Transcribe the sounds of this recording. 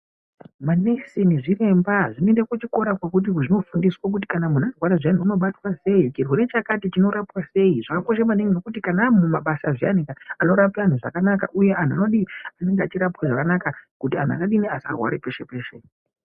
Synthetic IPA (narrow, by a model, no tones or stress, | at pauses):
manesiniʐire̞mbaʐinoendekut͡ʃiko̞ɾakwakut̬iʐino̞fundiswak̬ut̬i̥kanamunarwaɾaʐan̤uuno̞ɓatwase̞it͡ʃirweɾe̞t͡ʃakatit͡ʃino̞ɾapwase̞jiʐakako̞ʃamaniŋɡinokut̬ikanamumaɓasaʐia̰nikaano̞ɾapaan̤uʐa̰kanaka̰ʔuje̞ʔan̤ua̰no̞ɗiane̞ŋɡeat͡ʃiɾapwaʐakanakakutia̰n̤ua̰kaɗiniasa̰rwa̰ɾepe̞ʃe̞peːʃe